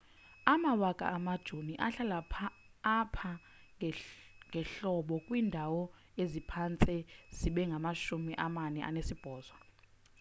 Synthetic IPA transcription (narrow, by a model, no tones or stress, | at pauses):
amawakʼa̰ʔːmad̥ʒ̥ʱoniʔaɬalapʰː | pʰa | ŋɡʱɛɬɔɓɔkʼwiːndʱawɔ | ezipʰant͡sʼɛz̥iɓɛŋɡʱamaʃumiʔamanɛʔa̰nesib̥ʱɔːzwa